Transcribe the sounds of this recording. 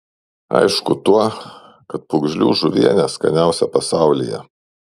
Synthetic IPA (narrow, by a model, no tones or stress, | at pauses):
ɐ̰ɪʃkʊt̪uɔ | kɐt̪̚pʊɡʒʲlʲṵːʒʊʋʲiɛnʲɛskɐ̰nʲæˑʊsʲɛpɐsɑˑʊlʲɪ̰jɛ̰